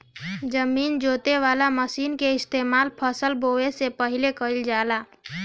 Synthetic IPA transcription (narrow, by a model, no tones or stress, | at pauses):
d͡ʒəmiːnd͡ʒoːt̪eʋaːlaməsiːnkeɪst̪eːmaːlpʰəsəlboesepəɦilekəild͡ʒaːlaː